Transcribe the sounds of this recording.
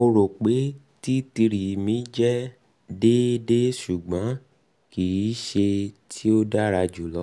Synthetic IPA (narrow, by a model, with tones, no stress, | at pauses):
o˧ɾo˨k͡pe˨˦ | ti˦ti˧ɾi˨mĩ˨˦d͡ʒɛ˦ | de˦de˦ʃu˨ɡ͡bã˨˦ | ki˨i˨˦ʃe˧tʰi˦o˦da˦ɾa˧d͡ʒu˨lɔ˨˦